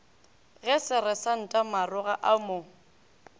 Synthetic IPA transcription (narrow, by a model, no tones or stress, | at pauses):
ɣɛsɪɾɛsan̩tʼamarʊɣaʔamo